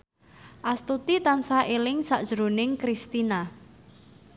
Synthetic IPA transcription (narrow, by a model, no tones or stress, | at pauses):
ʔast̪ut̪it̪ansaʔelɪŋsaʔd̥ʒ̥ɾonɪŋkɾist̪ina